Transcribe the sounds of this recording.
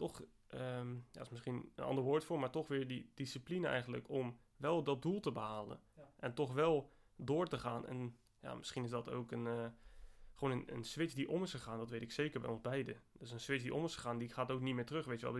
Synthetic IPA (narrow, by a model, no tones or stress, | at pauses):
tɔx | əja̰dɪsmɪsχinə̰nʔɑ̰ndəɹʋoːɹtfoːɹmaːɹtɔxʋɪːɹdidisiplinəɛ̰jɣən̩dtlə̰kʰɔm | ʋɛlˠdɔt̚dulˠtəbəɦaːlˠə̰nʔɛntɔxʋɛlˠ | dʊːɹtəχaːnɛ̰n | ja̰ːmɪsχinɪsdɔto̰wkən | χəʋonənə̰nsʋɪt͡sdiʔoməsəχaːndɔtʋejtɪkseːkəɹbɛ̰jonzbɛjdəd̥øsənsʋɪt͡ssdiʔoməsəxaːndixaːtowknitmɪːɹtrøxʋejtjʋɛ̰lˠ